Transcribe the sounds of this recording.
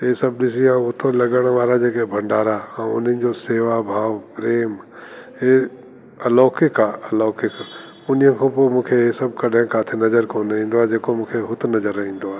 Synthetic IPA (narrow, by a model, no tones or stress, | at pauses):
esəb̚ɗɪs̬iãʊt̪ʰõlɐɡəɽ̃ʋaːɾad͡ʒeːkebʱə̃ɳɖaːɾaãʊnə̃d͡ʒoseːʋabʱaːʋpɾeːm | e | əloːkɪkaːəlɔːkɪk | ʊnijə̃kʰõːpomũːkʰeesɐb̚kɐɗẽkaːt̪ʰenɐd͡ʒəɾkoːnɦĩːnd̪oad͡ʒeːkomũːkʰeɦʊt̪ʰnɐzəɾəɦĩːnd̪oaː